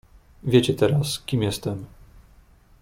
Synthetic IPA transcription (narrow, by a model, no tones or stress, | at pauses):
vʲjet͡ɕɛt̪ɛɾaskʲimjɛst̪ɛm